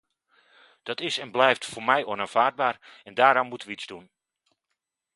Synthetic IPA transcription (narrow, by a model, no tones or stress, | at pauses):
d̥ɔtɪsɛnblɛjftfoːrmɛjʔonaːnv̥aːd̚baːrɛndaːɾanmutʋizdun